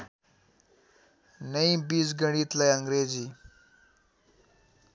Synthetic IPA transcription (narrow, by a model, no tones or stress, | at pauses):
nəĩbiːs̬ɡəɽ̃iːt̪lajəŋɡɾed͡ʑiː